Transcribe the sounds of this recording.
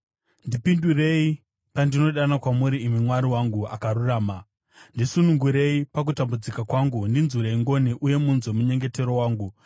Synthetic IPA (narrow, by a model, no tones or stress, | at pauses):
ndipindure̞i | pandino̞ɗanakwamuɾiːmimwaɾiwaŋɡua̰kaɾuraːma | ndisunuŋɡuɾe̞ipak̬utambud͡zikakwaŋɡundinzuɾe̞iŋɡo̞niʔuje̞munzomuɲe̞ŋɡe̞te̞ɾo̞waːŋɡu